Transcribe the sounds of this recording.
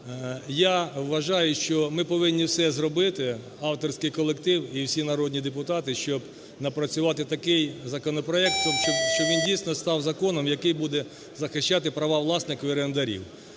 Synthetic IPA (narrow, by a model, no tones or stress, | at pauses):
jawːɐʒɑjʊʃt͡ʃɔmɪpɔʋɪnʲːiwsɛzrɔbɪt̪ɪ | ɑwt̪ɔrsʲkɪjkɔlˠekt̪ɪwiwsʲinɐɾɔdʲnʲid̪epʊt̪ɑt̪ɪʃt͡ʃɔb | nɐpɾɐt͡sʲʊʋɑt̪ɪt̪ɐkɪjzɐkɔnɔpɾɔɛk̚t̪ːɔʃt͡ʃɔʋʲindʲijsʲnɔst̪ɑwzɐkɔnɔmjɐkɪjbud̪ɛ | zɐxɪʃt͡ʃːat̪ɪpɾɐʋɑʋlˠɑsnɪxʋɪɾend̪ɐɾʲḭw